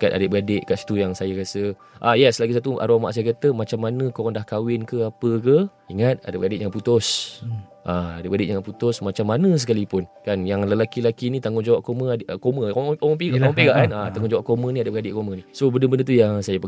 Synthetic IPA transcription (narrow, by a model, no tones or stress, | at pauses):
kat̪a̰dəʔbəɡadeʔkaʔsi̥t̪ujaŋsajaɾasə | ʔajɛslaɡisat̪uʔa̰ɾoma̰ʔsajakat̪əmat͡ʃamːanə̃koandahkawɪnkəapəkə | iŋat̪̚a̰dəbəɡadɪʔjãŋput̪ʊs | ʔaadəʔbəɡadɪʔjaŋaʔput̪ʊsmat͡ʃamːanə̃s̬əkalipʊnkanjaŋləlakilakinit̪aŋɡʊnd͡ʒawap̚koməʔkoməopeɡaʔŋ̃peɡaʔkanat̪aŋʊnd͡ʒawaʔp̚komənĩadəʔbəɡadɪʔkomənisobəndəbəndət̪ujaŋsajapə